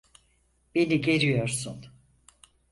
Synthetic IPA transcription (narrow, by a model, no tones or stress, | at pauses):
b̥e̞niɟe̞ɾijoɾsun